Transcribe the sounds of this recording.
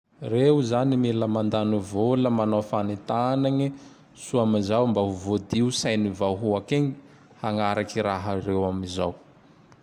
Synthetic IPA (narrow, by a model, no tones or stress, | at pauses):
rewuzanimeləmand̪anuvoləmanofanit̪anaɲi | suamizawmbaɦuvod̪iusajnivawɦuakeɲi | haŋaɾakiɾaɦaɾewamizaw